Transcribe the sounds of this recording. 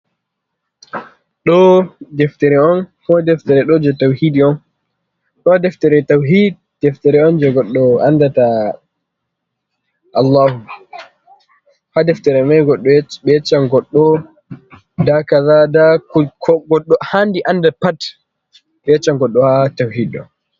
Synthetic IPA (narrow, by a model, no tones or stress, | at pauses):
ɗɔdɛftɛɾɛɔnkɔdɛftɛɾɛɗɔd͡ʒɛtawhidiɔn | ɗɔdɛftɛɾɛtawɦid̚ | dɛftɛɾɛɔnd͡ʒɛɡɔɗːɔandata | ʔalːaːhu | hadɛftɛɾɛmajɡɔɗɔɓɛɛt͡ʃːaŋɡɔɗːɔ | dakaðadakkʰɔɡɔɗːɔhandiʔandapat | ɓɛɛt͡ʃːaŋɡɔɗːɔhatawhidɔ̰n